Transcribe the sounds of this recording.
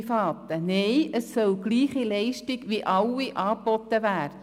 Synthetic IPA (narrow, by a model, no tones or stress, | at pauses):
fɑːt̪ənɛɪʔəsːœlɡ̥liːχilɛɪʃtiɡʋiʔɑwiʔɑːpbɔt̪ːəʋæːɾə